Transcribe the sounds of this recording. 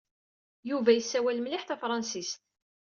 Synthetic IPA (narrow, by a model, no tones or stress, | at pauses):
juvæjəsːæwælmlɪħθæfɾˤɑnsist̪̚